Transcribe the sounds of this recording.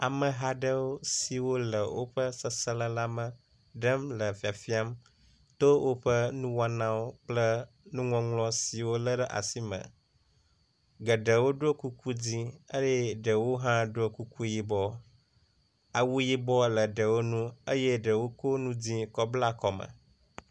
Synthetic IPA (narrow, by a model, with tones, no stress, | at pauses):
a˨mə̃˨ɦa˦ɖə˦wo˦si˨wo˦lə˨wo̰˦ɸə˦sə˦sə˦lə˦la˦mə˨ | ɖə˦mlə˨fi˨a˨fi˦a˦m | t̪o˦wʔo˦ɸə˦nũ˦wa˦nã˦wo˦k͡plə˦ | nũ˦ŋɔ̃˦ŋlɔ̃˦si˨wo˦lə˦ɖə˦ʔa̰˨si˦mə̰̃˨ | ɡə˨ɖə˨wo˦ɖo˦ku˦ku˦d͡zĩ˦ə˦jɛ˦ɖə˨wo˦ɦã˦ɖo˦ku˦ku˦ji˦bɔ˦ | a˨wu˦ji˦bɔ˦lə˨ɖə˨wo˦nũ˦ə˦jɛ˦ɖə˨wo˦ko˦nũ˦d͡zĩ˦kɔ˦bla˦kɔ˨mə̰̃˨